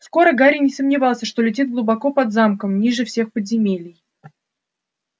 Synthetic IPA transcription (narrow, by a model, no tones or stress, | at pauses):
sko̞ɾəɡaɾʲɪnʲɪsəmnʲɪvɑlˠsʲəʂt̪o̞lʲɪt̬ʲid̪̚ɡlˠʊbɐko̞pɐd̪zamkəmnʲiʐɨfsʲe̞xpəd̪ʲzʲɪmʲelʲɪj